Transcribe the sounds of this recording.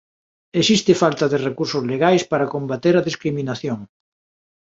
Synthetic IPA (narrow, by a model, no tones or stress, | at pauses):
esist̪ɪfalt̪ɐðerekuɾsʊzleɣajspaɾakombat̪eɾɐðiskɾiminaθjoŋ